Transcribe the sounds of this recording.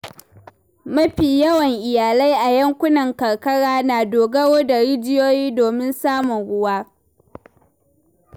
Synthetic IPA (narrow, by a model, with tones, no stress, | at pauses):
mɐ˦ɸiː˨jɐ˦wɐ˨ŋʔɪ˨jaː˨la˦jʔa˨jɐ˦ŋkʷʊ˦nɐ˨ŋkɐ˨ɽkɐ˦ɽaː˦naː˨doː˨ɡɐ˦woː˦da˨ɽi˦d͡ʒɪ˦joː˦jiː˦doː˨mɪ˦nsaː˦mʊ˨ŋɽʊ˦waː˦